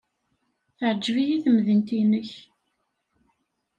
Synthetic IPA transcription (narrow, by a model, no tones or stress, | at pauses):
θəʕd͡ʒvijiθəmðənt̪inəç